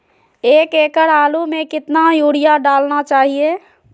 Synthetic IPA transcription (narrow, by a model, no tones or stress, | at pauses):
eːkeːkəɾaːlumẽkɪt̪najuːɽɪjaɖaːlnat͡ʃaːɦie